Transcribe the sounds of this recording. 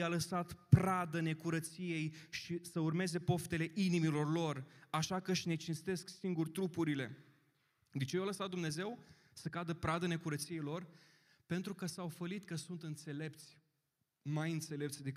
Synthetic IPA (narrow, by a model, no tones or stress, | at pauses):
jaləsat̪pɾad̪əne̞kuɾət̪sije̞jʃisəurme̞ze̞po̞ft̪e̞le̞ʔinimilo̞rlo̞raʃakəɨʃʲne̞t͡ʃinst̪e̞sksiŋɡurʲt̪ɾupuɾile̞̰ | d̪et͡ʃejoləsat̪̚d̪umne̞ze̞w | səkad̪əpɾad̪əne̞kuɾət̪sije̞jlo̞r | pe̞nt̪ɾukəsawfəlit̪kəsunt̪ɨnt̪se̞le̞p̚t̪sʲ | majɨnt̪se̞le̞p̚t̪sʲd̪ek